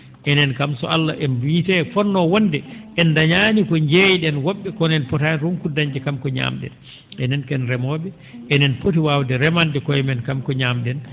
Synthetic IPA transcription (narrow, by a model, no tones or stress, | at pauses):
ʔɛnɛnkamsɔ̰alːaʔɛnvitɛfɔnnːɔwɔndɛʔɛndaɲanikɔɲd͡ʒejɗɛnwɔɓːɛkɔnɛnpɔtanɾunkudaɲd͡ʒɛkamkɔɲa̰mɗɛ̰n | ɛnɛnkɛnɾɛmɔːɓɛ | ʔɛnɛnpotiwawdɛɾɛmandɛkɔjɛmɛnkamkɔɲaːmɗɛn